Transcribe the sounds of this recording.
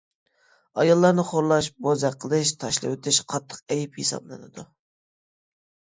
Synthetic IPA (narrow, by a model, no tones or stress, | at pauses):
ɑjɑlˠːɑɾnɨχoɾlˠɑʃbozɛqʰːəlˠɨʃt̪ʰɑʃlˠɨ̰wt̪ʰɪʃqʰɑt̪ʰːə̥qɛjiphisɑ̰blˠɨnɨ̰d̪u